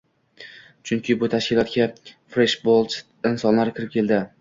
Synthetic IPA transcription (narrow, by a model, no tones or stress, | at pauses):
t͡ʃʰʊŋkʲʰɪbʊt̪ʰaʃkʲɪlˠɒt̪kʲafɾeʃbolˠt͡ʃ | ɪnsɒnlaɾkʲʰɪɾɪp̚kʲʰe̞ld̪ɪ